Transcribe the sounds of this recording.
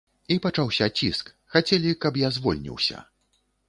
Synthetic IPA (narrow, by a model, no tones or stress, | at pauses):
ipat͡ʂawsʲɐt͡sʲisk | xat͡sʲɛlʲikɐpjazvɔlʲnʲḭwsʲɐ̰